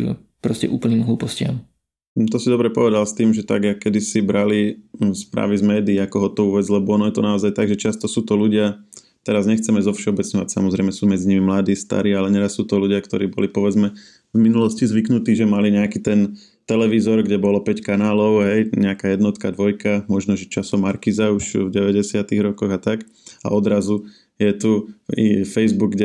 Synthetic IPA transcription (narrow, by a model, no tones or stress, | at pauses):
pɾɔscɛ̰ʔṵːpl̩ɲiːmɦluːpɔscɪa̰m̩ | t̪ɔsid̪ɔbɾɛpɔʋɛd̪alst̪iːmʒɛt̪a̰ɡakːɛd̪isibɾalispɾa̰ːʋizmɛːd̪iːakɔɦɔt̪ɔuʋɛd͡zlɛbɔɔnɔjɛt̪ɔnaɔzajt̪aɡʒɛt͡ʃast̪ɔsuːt̪ɔluɟɪa | t̪ɛɾazɲɛxt͡sɛmɛzɔfʃɛɔbɛt͡sɲɔʋacsa̰mɔzɾɛɪmɛsuːmɛd͡ziɲimimlad̪iːst̪a̰ɾiːalɛɲɛɾasːuːt̪ɔluɟɪakt̪ɔɾiːbɔ̰lipɔʋɛd͡zmɛ | vminulɔscizʋiknut̪iːʒɛmaliɲɛakiːt̪ɛn | t̪ɛlɛʋizɔɾɡɟɛbɔlɔpɛckanaːlɔʊɦɛjɲɛakajɛd̪nɔt̪kad̪ʋɔjkamɔʒnɔʒɛt͡ʃasɔmaɾkizauʃvɟɛʋɛɟɛsɪat̪iɣɾɔkɔɣat̪ak | a̰ɔd̪ɾazu | jɛt̪uifɛjzbuɡ̚ɡɟɛ